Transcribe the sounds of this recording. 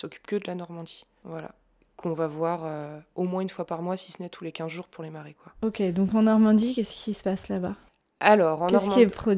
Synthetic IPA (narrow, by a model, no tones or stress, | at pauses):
sɔkʲy̥pkəd̪əlanɔʁmɑ̃d̪i | vwala̰ | kʰɔ̃vavwaʁøomwɛ̃ynfwapaʁmwasi̥sənɛt̪ʰulekʲɛ̃zʒuʁpuʁlemaʁekwaokʲed̪ɔ̃kɑ̃nɔʁmɑ̃d̪ikʲɛskʲʰisə̥paslaba | alɔʁɑ̃nkɛɔsʁmkɑiɛpχɔ